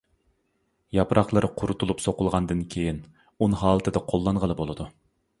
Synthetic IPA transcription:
jɑpɾʔɑχlˠɨɾqʰʊɾut̪ʰulˠupsoqʊlˠʁɑnd̪ɨnkʲʰejin | unɨɦɑːlˠɨt̪ʰɨd̪ɛqʰolˠːɑɴʁəlˠɨbolˠɨd̪u

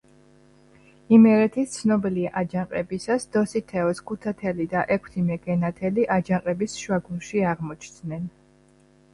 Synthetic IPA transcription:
imɛɾɛt̪ʰist̪sʰnɔbiliaʔad͡ʒaŋqʼɛbisasd̪̥ɔsit̪ʰɛɔskʰut̪ʰat̪ʰɛlid̪aʔɛkʰt̪ʰimɛɡ̥ɛnat̪ʰɛliʔad͡ʒaŋqʼɛbisʃwaɡunʃiaʁmɔt͡ʃʰd̪nɛn

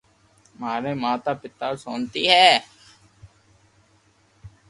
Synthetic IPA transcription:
maːɾeːmãːt̪aːpɪt̪aːsoːnt̪iːɦɛː

